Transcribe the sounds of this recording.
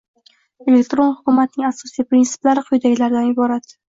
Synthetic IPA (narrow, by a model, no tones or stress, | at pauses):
e̞lek̚ʲt̪ɾo̞nhʊkʰʲʊmat̪̚nɪŋasːɒsijpɾɪnsɪ̥blaɾɪqʰʊjd̪aɡʲlaɾd̪anɪbɒɾat̪